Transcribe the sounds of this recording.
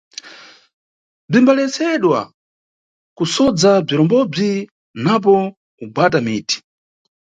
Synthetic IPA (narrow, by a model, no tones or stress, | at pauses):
b͡ʐimbalɛt͡sɛɗwa̰ | kusɔd͡zab͡ʐiɾɔmbɔb͡ʐi | nap̬ɔ | ubwatamiːtʰi̥